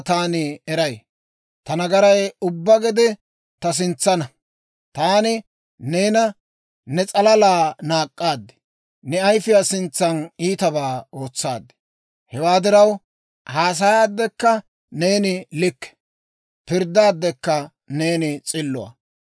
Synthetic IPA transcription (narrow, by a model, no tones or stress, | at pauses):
t̪aːnɪɛɾɐj | t̪ɐnɐɡɐɾɐjʊbːɐɡɛd̪ɪ | t̪ɐs̬ɪnt͡sːɐnɐ | t̪aːnɪ | ne̞ːnɐ | nɛt͡sʼɐlɐlaːnaːkʼːaːd̪ːɛ̥ | nɛɐjfɪjasɪnt͡sːɐniːt̪ɐbaːo̞ːt͡sːaːd̪ːɛ̥ | hɛwaːd̪ɪɾɐw | haːs̬ɐjaːd̪ːɛkːɐ | ne̞ːnɪlɪkːɛ̥ | pɪɾd̪aːd̪ːɛkːɐ | ne̞ːnɪt͡sʼɪlːʊwɐ̰